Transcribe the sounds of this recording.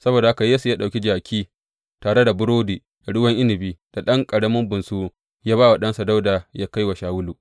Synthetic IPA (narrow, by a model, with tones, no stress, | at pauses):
sɐ˦boː˨da˨ha˦ka˨jeː˦su˨jaː˦ɗa˨kʲi˦d͡ʒaː˨kʲʰiː˦ | taː˨ɽe˦da˨bʊ˦ɾoː˦diː˨ | d̥a˨ɽʊ˦wɐ˦ŋʔɪ˦nɪ˨biː˦d̥a˨ɗɐ˦ŋkʼɐ˨ɽɐ˦mʊ˦mbʊ˨nsuː˦ | jaː˦baː˦wa˨ɗɐ˦nsa˨da˦wdaː˨jaː˦ka˦jwa˨ʃaː˨wʊ˦luː˨